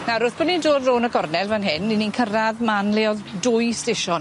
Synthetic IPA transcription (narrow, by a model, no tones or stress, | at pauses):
naɾʊθb̥ɔdnindoːdroːnəɡɔrnɛlˠvanɦɪnːininkʰəraðmanleɔðdʊjsteʃɔn